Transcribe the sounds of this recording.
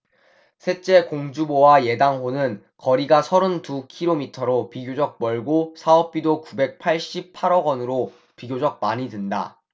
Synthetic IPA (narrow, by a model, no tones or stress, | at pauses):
sʰe̞t͡ɕ͈e̞koŋd͡ʑubowaje̞daŋɸonɯn | kʌɾiɡasʰʌɾɯntukʰiɾomitʰʌɾopiɡjod͡ʑʌk̚mʌɭɡosʰaʌp̚p͈idokube̞k̚pʰaɭɕ͈ip̚pʰaɾʌɡʌnɯɾo | piɡjod͡ʑʌk̚maɲidɯnda̰